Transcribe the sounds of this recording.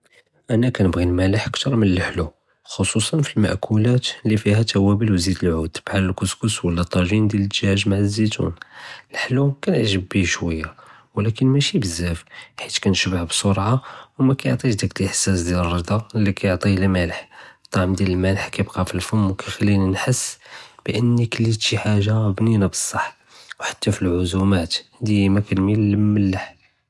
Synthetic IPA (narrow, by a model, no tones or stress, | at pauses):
ʔænækænəbɣilmæləħəkt̪ɑɾˤmənəlħlu | xosˤusˤɑnfilma̰ʔkʰulæt̪lːifihæt̪æwæbəlwzid̪əlʕud̪̥bħaləlkʊskuswəlːæt̪ˤːɑʒind̪jæləd̪ʒhæʒmaʕzːit̪ṵnəlħlukænəʕʒəbːiʃwəjːa | wlækənmæʃibəzːæfħit̪kænʃəbʕbsˤoɾˤʕawmækæjoʕt̪ˤiʃd̪ækəlʔəħsæsd̪jælərˤːəd̪ˤɑlːikæjoʕt̪ˤilmæləħt̪ˤːɑʕmd̪jæləlmælħkæjbqɑfilfʊmwkæxælːininħəsːb̥əʔənːikəlːit̪iħaʒabninæbəsˤːɑħː | wħḁt̪ːæfilʕʊzumæt̪d̪əjmækænmilːməlːəħ